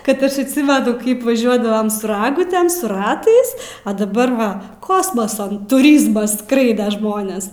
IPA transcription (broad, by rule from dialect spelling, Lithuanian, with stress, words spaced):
kɐt ˈɐʃ ɐtʲˈsʲɪmʲɛnʊ ˈkɐɪp ʋɐˈʒʲuɔdɐʋoːm sʊ ˈrɑːɡʊtʲeːm sʊ ˈrɑːtɐɪs ɐ dɐˈbɐr ˈʋɐ ˈkoːsmɐsɐ tʊˈrʲiːzmɐs ˈskrɐɪdɐ ˈʒmoːnʲeːs